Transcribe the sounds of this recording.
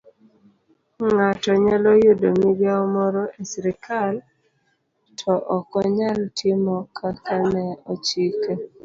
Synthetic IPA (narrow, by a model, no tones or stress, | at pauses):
ŋatɔɲalɔjodomiɡjaɔmɔɾɔʔesɾikʰal | tʰɔʔɔkɔɲaltʰɪmɔkʰakanɛɔt͡ʃike